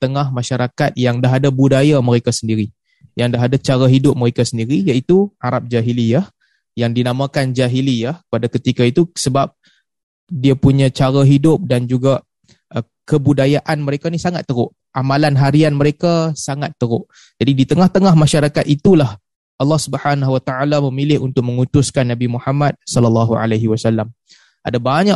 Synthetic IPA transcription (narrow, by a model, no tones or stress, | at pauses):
t̪əŋahmãʃaɾakat̪̚jaŋdaɦadabudajaməɾekasəndiɾi | jaŋdaɦadat͡ʃaɾaɦidʊp̚məɾekasəndiɾijait̪uaɾap̚d͡ʒaɦilijah | jaŋdinamãkand͡ʒaɦilijahkəpadakət̪ikait̪usəbap̚ | diapuɲãt͡ʃaɾaɦidʊp̚dand͡ʒuɡa | ə | kəbudajaʔanməɾekanisaŋat̪ːəɾʊʔ | ʔamalanɦaɾianməɾekasaŋat̪ːəɾʊʔ | d͡ʒadidit̪əŋaht̪əŋahmaʃaɾakat̪it̪ulah | ʔɑlːɑhsubəhanaɦuwat̪aʕalaməmilɪhunt̪ʊk̚məŋut̪ʊskanːabimuhamat̪̚sɔləlːaɦua̰laɦiwasalːam | ʔa̰dabaɲa